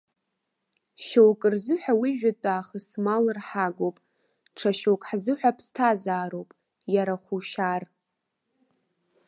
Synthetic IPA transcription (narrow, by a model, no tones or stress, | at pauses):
ʃowkʼɨrzɨħʷᶣawiʒᶣatʼaːχəsmalɨrħaɡowpʼ | ʈ͡ʂʰaʃowkʼħzɨħʷᶣapʰstʰazaːɾowpʼ | jaɾaχʷuʃar